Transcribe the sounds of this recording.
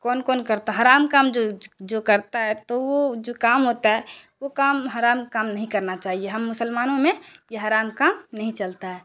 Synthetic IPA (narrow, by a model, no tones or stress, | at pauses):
kɔːnkɔːnkəɾt̪aɦaɾaːmkaːmd͡ʒod͡ʒokəɾt̪aɦɛt̪owod͡ʒokaːmɦoːt̪aɦɛʋokaːmɦaɾaːmkaːmnəɦĩkəɾnat͡ʃaːɦieɦɐmːʊsəlmaːnõmẽjeɦaːɾaːmkaːmnəɦĩt͡ʃəlt̪aɦɛː